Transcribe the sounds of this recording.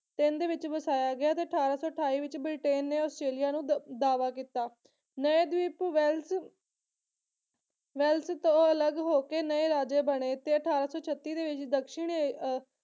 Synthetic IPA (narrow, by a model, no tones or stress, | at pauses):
t̪ɪnd̪eːʋɪt͡ʃʋəsaːjaːɡɪjaːt̪eːəʈʰaːɾaːsɔːəʈʰaːiːʋɪt͡ʃbɾɪʈeːnːeːɔːsʈɾeːlijaːnũːd̪aːʋaːkiːt̪aː | nəeːd̪iːpʋɛls | ʋɛːlst̪õːələɡɦoːkeːnəeːɾaːd͡ʒeːbəɽ̃eːt̪ːeːəʈʰaːɾaːsɔːt͡ʃʰət̪ːiːd̪eːʋɪt͡ʃd̪əkʃɪɳe